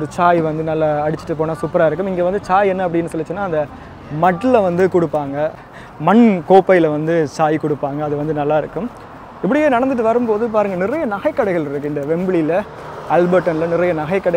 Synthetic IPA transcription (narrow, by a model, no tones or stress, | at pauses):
ɾɯt͡ʃaːjʋɐnd̪ɯnɐlːaɐɽɪt͡ʃːɪ̥ʈːɯp̬ːoːnaːsʊpːɐɾaːɪɾɯkːɯmɪŋɡeːʋɐnd̪ɯt͡ʃaːjɛnːɐp̬ːɐɽɪnːɯsɔlːɯt͡ʃːɯnːaːɪnd̪ɐ | mɐʈːɯlʋɐnd̪ɯkʊɽɯpːaːŋɡɐ | mɐɳkoːpːɐjlɐʋɐnd̪ɯt͡ʃaːjkʊɽɯpːaːŋɡɐːðɯʋɐnd̪ɯnɐlːaːɪɾɯkːɯm | ɪpːɐɽɪjeːnɐɽɐnd̪ɯʈ̬ːɯʋɐɾɯmpoːðɯp̬aːɾɯŋɡɐnɪɾɐjɐnɐɣɐɪkːɐɽɐɪɣɐɭɪɾɯkːɯɪnd̪ɐʋɛmbɪɭɪlɐ | ɐlbɐʈːɐnlɐnɪɾɐjɐnɐɣɐɪkːɐɽɐ